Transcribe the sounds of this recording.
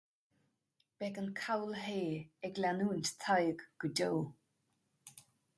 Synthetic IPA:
b̥ɛkənkʰawlɦeːɛɡlanuːnt̪t̪ʰajəɡɡ̥ədow

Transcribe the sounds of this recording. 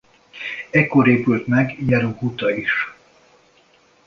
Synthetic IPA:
ɛkːoɾeːpylt̪mɛɡjɛɾuŋkut̪ɒiʃ

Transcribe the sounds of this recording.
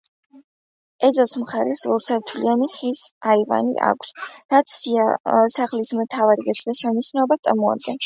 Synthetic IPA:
ɛd̪zɔsmχaɾɛsvɔlˠsɛɾt̪ʰlianiχisaiva̰nḭʔa̰kʷʰsɾat̪sʰiasaχlismt̪ʰavaɾiɡɛɾsd̪aʃɛnisnɛɔbat̪sʼa̰mɔa̰d̪̚ɡɛn

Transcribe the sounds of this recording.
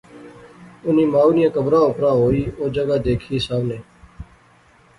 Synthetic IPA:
ʊniːmaːuːnɪjãːkəbɾãːʊpɾaːɦoːiːoːd͡ʒəɡaːd̪eːkʰiːsaːmneː

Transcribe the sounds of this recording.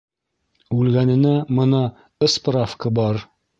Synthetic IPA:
ʉlɡænɘ̆næmɤ̆nɑ | ɘsprafkɤbɒɾ

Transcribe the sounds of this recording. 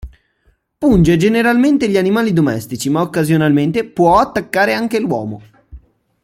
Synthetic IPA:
pund͡ʒed͡ʒeneɾalment̪eʎianimaːlid̪omɛst̪it͡ʃimaokːazjonalment̪epwɔat̪ːakːaːɾeaŋk̟elwɔ̰ːmo̰

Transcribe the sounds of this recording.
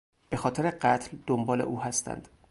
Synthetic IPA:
b̥e̞xɒːt̪ʰeɾeɢæt̪ʰld̪̥ombɒːleʔuːhæst̪æ̰nd̪̥

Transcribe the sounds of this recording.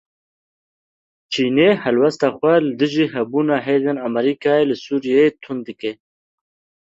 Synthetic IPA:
t͡ʃʰinehɐlwɐst̪axwaləd̪ɨʒiɦɐbunaɦedənamaɾikaːeləsuɾijet̪ʰund̪əke

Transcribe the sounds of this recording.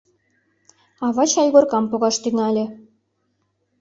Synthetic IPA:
ɑβɑt͡ɕɑjɣorkɑmpoɣɑʃt̪yŋɑlʲĕ

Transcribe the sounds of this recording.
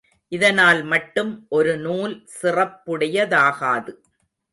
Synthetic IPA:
ʔɪðɐnaːlmɐʈːɯmʔɔɾɯnuːlsɪrɐpːɯɽɐjɐðaːɣaːðɯ

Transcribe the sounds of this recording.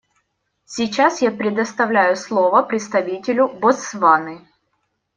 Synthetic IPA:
sʲit͡ɕasjapɾʲɪd̪əst̪ɐvlʲæjʊslˠovəpɾʲɪt̪st̪ɐvʲitʲɪlʲʊbosvanɨ

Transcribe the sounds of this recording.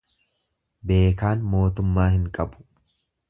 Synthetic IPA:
be̞ːkaːnmo̞ːt̪ʊmːaːhɪŋkʼɐbʊ̥

